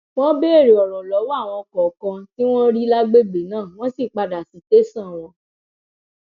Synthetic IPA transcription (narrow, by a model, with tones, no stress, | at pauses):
w̃ɔ̃˦be˦e˦˨ɾe˨ɔ˨ɾ̃ɔ̃˨lɔ˨˦wa˦˨w̃ɔ̃˧kɔ˨kã˧ti˦w̃ɔ̃˦ɾi˦la˦ɡ͡be˦ɡ͡be˨nãː˦˨w̃ɔ̃˦si˦˨k͡pa˧da˨si˨˦te˦sã˦˨w̃ɔ̃˧